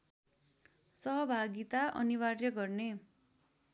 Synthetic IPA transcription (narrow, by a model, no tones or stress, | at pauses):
sʌɦʌbʱaɡit̪aʔʌ̰niwarjʌɡʌrne